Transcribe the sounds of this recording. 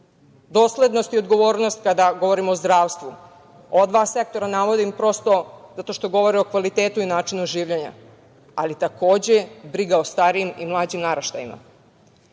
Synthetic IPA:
d̪o̞ːsle̞d̪no̞st̪io̞d̪ɡo̞ʋo̞ːɾnost̪kad̪aɡo̞ʋo̞ɾimoːzd̪ɾaːʋst̪ʋu | od̪ʋase̞k̚t̪o̞ɾanaʋo̞d̪impɾo̞st̪o̞zat̪o̞ʃt̪o̞ɡo̞ʋo̞ɾio̞kʋalit̪eːt̪uinaːt͡ʃinuoʒiːʋʎeɲa̰ | alit̪ako̞ːd͡ʑe̞bɾiɡaost̪aːɾiimimlˠaːd͡ʑimnaɾaʃt̪a̰jima̰

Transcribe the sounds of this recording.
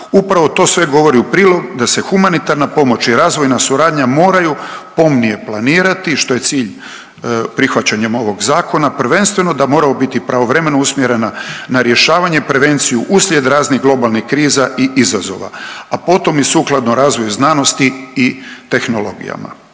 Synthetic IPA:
upɾaʋo̞t̪o̞ːsʋe̞ɡo̞ʋo̞ɾiupɾiːlˠo̞ɡd̪ase̞xumanit̪aɾnapo̞mo̞t͡ɕiɾaːzʋo̞jnasuɾaːd̪ɲamo̞ːɾajupo̞mnije̞plˠaniːɾat̪iʃt̪o̞je̞t̪siːʎ | pɾixʋat͡ɕaɲemo̞ʋo̞ɡzaːko̞napɾ̩ʋe̞nst̪ʋe̞no̞d̪amo̞ːɾamobit̪ipɾaʋo̞ʋɾe̞me̞nousmjeɾe̞nanaɾje̞ʃaːʋaɲeipɾe̞ʋe̞nt̪sijuʔuslʲje̞d̪ɾaːzniɣɡlˠo̞balˠnixkɾiːzaʔiʔizazo̞̰ʋa̰apo̞t̪o̞misuːklˠad̪noɾaːzʋo̞juznaːno̞st̪iː | t̪e̞xno̞lo̞̰ɡḭja̰ma̰

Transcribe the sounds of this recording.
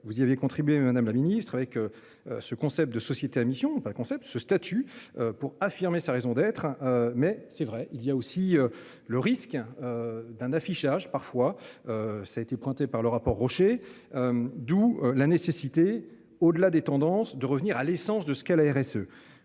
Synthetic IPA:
vuziavjekɔ̃t̪χibɥemad̪amlaminist̪χavɛkø | øsəkɔ̃sɛp̚t̪̚d̪əsɔsjet̪eamisjɔ̃pad̪əkɔ̃sɛp̚t̪səst̪at̪ʰyøpuʁafiʁmesaʁezɔ̃d̪ɛt̪χmɛsɛvʁɛʔilijaosiø | ləʁiskød̪ɛ̃nafiʃaʒpaʁfwaøsaet̪epwɛ̃t̪epaʁləʁapɔʁːɔʃe | ød̪ulanesesit̪e | od̪əlad̪et̪ɑ̃d̪ɑ̃sd̪əʁəvniʁalesɑ̃sd̪əsə̥kɛlaɛʁɛsø

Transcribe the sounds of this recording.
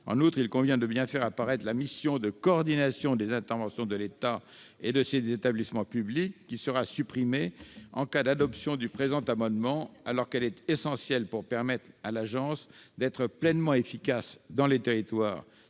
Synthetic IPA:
ɑ̰̃nut̪χilkɔ̃vjɛ̃d̪əbjɛ̃fɛʁapaʁɛt̪χlamisjɔ̃d̪əkɔːʁd̪inasjɔ̃d̪ezɛ̃t̪ɛʁvɑ̃sjɔ̃d̪əlet̪aed̪əsezet̪ablismɑ̃pyblikːisəʁasypχimeɑ̃kad̪ad̪ɔpsjɔ̃d̪ypχezɑ̃t̪amɑ̃d̪mɑ̃a̰lɔʁkɛlɛt̪esɑ̃sjɛlpuʁpɛʁmɛt̪χalaʒɑ̃sd̪ɛt̪χəplɛnmɑ̃efikasd̪ɑ̃let̪eʁit̪wa̰ːʁ

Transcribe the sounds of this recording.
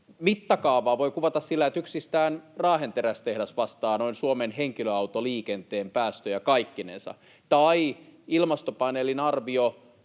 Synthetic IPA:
mit̪ːɑkɑːʋɑːʋoikuʋɑt̪ɑssilːæet̪yksist̪æːnrɑːɦent̪eɾæst̪ehdæsʋɑst̪ɑːnoinsuomenɦeŋkiløɑuwt̪oliːkent̪eːmpæːst̪øjɑkɑikːinḛnsɑ̰ | t̪ɑiilmɑst̪opɑnelinɑrʋio

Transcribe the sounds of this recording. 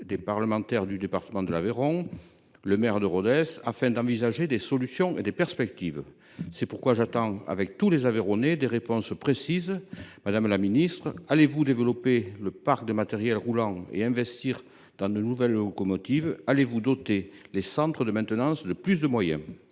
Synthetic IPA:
d̪epaʁləmɑ̃t̪ɛʁd̪yd̪epaʁt̪əmɑ̃d̪əlaveʁɔ̃ | ləmɛʁd̪əʁɔd̪ɛsafɛ̃d̪ɑ̃vizaʒed̪esɔlysjɔ̃ed̪epɛʁspɛk̚t̪iv | sɛpuʁkwaʒat̪ɑ̃a̰vɛk̚t̪ulezaveʁɔned̪eʁepɔ̃spχesizmad̪amlaminist̪χəalevud̪evəlɔpeləpaʁkd̪əmat̪ɛʁjɛlʁulɑ̃ḛɛ̃vɛst̪iʁ | d̪ɑ̃d̪ənuvɛlːɔkɔmɔt̪ivalevud̪ɔt̪elesɑ̃t̪χəd̪əmɛ̃nt̪ənɑ̃sd̪əplys̬d̪əmwajɛ̃

